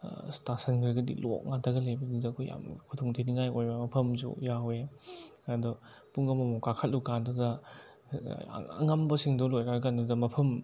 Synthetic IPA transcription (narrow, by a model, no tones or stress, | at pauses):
stasɐnkʰiɾɡɐdḭlɔ̰k̚ŋatʰɐɡɐlebɐnidɐkʰuja̰mkʰutʰɔŋtʰeniŋajojbamɐpʰɐmzṵjawe | adɔ | puŋɐmɐmɔkakʰɐt̚lukandɐdɐ | aŋɐmbɐsiŋdɔlojnaɾkandɐdɐmɐpʰɐm